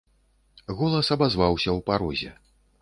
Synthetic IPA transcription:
ɣɔlˠɐsɐbazvawsʲɐwpaɾɔzʲɛ̰

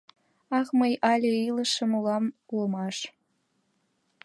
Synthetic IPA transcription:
ɑxməjɑlʲeiləʃə̆mulɑmulə̆mɑʃ

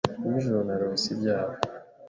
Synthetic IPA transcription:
imiʒoɾonaɾoisibɟaːβo

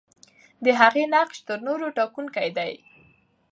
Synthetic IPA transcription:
d̪əɦaɣenaqʃt̪əɾnoɾoʈɑkunkajd̪aj

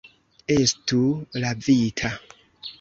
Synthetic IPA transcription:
estulavitʰa

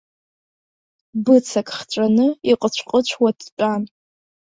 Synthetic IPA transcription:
bɨt͡sʰakʼχt͡ʃʷʼanɨiqʼət͡ɕʷʰqʼət͡ɕʷʰwadʰt͡ʃʼan

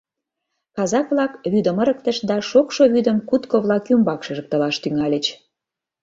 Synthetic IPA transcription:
kɑzɑkβlɑkβyd̪əməɾək̚t̪ə̆ʃd̪ɑʃokʃoβyd̪əmkut̪koβlɑkymbɑkʃə̆ʒə̆k̚t̪ə̆lɑʃt̪yŋɑlʲə̆t͡ɕ

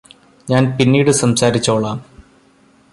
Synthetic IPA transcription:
ɲaːnpinːiːɽɨsɐmsaːɾit͡ɕːoːɭaː

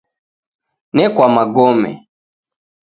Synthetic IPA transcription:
nɛkwamaɡɔmɛ̰

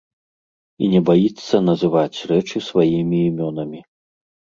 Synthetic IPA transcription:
ḭnʲɛbajit̪sːɐnɐzɨvat͡sʲrɛt͡ʂɨsvajimʲiːmʲɔnɐmʲi

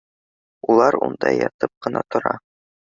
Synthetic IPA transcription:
ulˠɑɾṵnd̪ɑjɒt̪ɤp̚qɤ̆nɑt̪ŏɾɑ

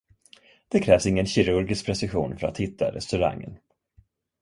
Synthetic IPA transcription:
d̪̥ɛkʰɾɛːvsɪŋːənɕɪɾɵɾɡɪsk̚pʰɾɛsɪɧṵːnfœɾa̰t̪hɪt̪ʰːa̰ɾɛst̪ɵɾa̰ŋːə̰n

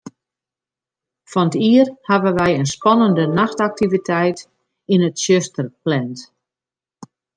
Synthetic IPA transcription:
fɔnətiərhavənʋɛjənspɔnəndənaxtak̚tivitʰɛjt | inətsjøstərplɛnt

